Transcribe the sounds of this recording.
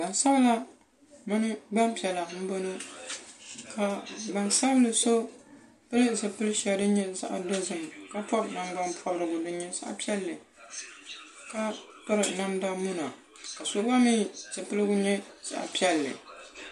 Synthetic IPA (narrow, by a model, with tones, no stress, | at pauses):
ba˨nsa˦bla˦ | mɨ˦nɨ˦ba˦mpi˨ɛ˨la˨m̩˦bo˦nɨ˦ | ka˦ba˨nsa˦blɨ˨so˦ | pɨ˦lɨ˦sɨ˨pɨ˦lɨ˦ʃa˨dɨ˦ɲɛ˦za̰˨ʔa̰˨do˦zɨ˨m˨ka˦pɔ˦bna˨m˦ba˦mpʰɔ˦bɾɨ˨ɡʊ˨dɨ˦ɲɛ˦za̰˦ʔa̰˦pi˦ɛ˦lːɨ˨ | ka˦ | pʊ˦ɾɨ˨na˦mda˦mu˦na˨ | ka˨so˦a˦mi˦˨z̥ɨ˨pɨ˦lɨ˦ɡʊ˦ɲɛ˦z̥a̰˨ʔa̰˨pi˦ɛ˦lːɨ̰˨